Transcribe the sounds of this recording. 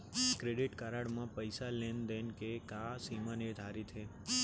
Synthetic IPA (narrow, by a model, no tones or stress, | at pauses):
kɾeɖiʈkaɾaɽmãpəjsalend̪enkekasimãneʋd̪ʱaɾit̪ʰe